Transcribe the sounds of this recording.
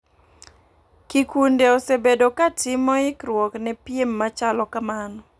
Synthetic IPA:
kikundeosebedokatɪmɔɪkɾwɔknɛpjemːat͡ʃalɔkamanɔ

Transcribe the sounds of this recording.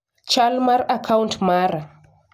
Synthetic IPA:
t͡ʃalmaɾakʰawuntmaɾa

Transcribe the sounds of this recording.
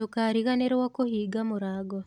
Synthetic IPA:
okaɾiɣaneɾwakohiːɡamoɾaɡɔ

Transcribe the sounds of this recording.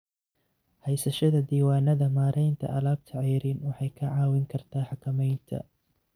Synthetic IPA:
hɛjsɐʃɐðɐd̪iːwaːnɐðɐmaːɾʔɛjnt̪ʰɐ̰ʔɐlaːb̚t̪ʰɐʕɑjɾiːnwɑħɑjkʰɐʕɑːwɪŋkʰɐrt̪ʰaːħɑkʰɐmɛjnt̪ʰɐ̰

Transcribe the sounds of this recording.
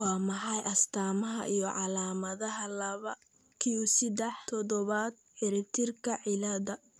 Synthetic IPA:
wɑːmɑħɑjʔɐst̪ʰaːmɐɦɐ̰ʔijɞʕɑlaːmɐðɐɦɐlɐβɐ | kʰiɔsɪd̪ɛħt̪ʰɔðɔβad̪̚ħɪɾɪb̚t̪ʰɪrkʰɐʕɪlɐðɐ

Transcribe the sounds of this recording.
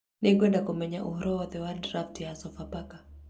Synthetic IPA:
nikwɛndakumɛɲaʔuhɾɔɔðɛwadɾaftijasɔfapaka

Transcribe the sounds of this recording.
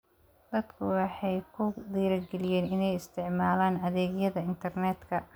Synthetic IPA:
d̪̥ɐd̪kʰʊwɑħɑjkʰʊd̪iːɾɐɡɛlɪjɛːnɪnɛjɪst̪ʰɪʕmaːlaːnɐðɛːɡjɐðɐɪnt̪ʰɐrnɛːd̪kʰɐ

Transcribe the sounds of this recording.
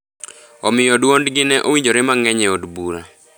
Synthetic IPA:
ɔmɪjodwondɡɪnɛʔowiɲd͡ʒoɾemaŋɛɲɛodbuɾa̰

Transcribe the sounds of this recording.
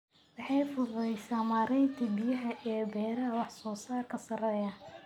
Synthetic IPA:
wɑħɑjfʊðɛjsaːmaːɾɛjnt̪ʰibɪjɐɦɐʔɛːbɛːɾɐwɑħsɔːsaːrkʰɐsɐrɛːjɐ

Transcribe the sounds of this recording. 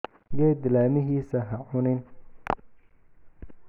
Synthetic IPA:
ɡɛːd̪ɪlaːmɪɦiːsɐɦɐʕʊnɪn

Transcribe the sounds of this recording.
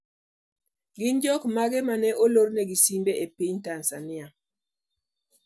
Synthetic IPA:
ɡɪnd͡ʒɔkmaɡɛmanɛʔoloɾnɛɡisimbeʔepiɲtansanɪa

